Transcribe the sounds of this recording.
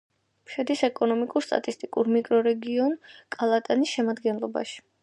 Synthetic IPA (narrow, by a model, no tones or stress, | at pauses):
mʃɛd̪isɛkʼɔnɔmikʼuɾst̪ʼa̰t̪ʼist̪ʼikʼuɾmikʼɾɔɾɛɡiɔnkʼalˠat̪ʼanisʃɛmad̪ɡɛnlˠɔba̰ʃi̥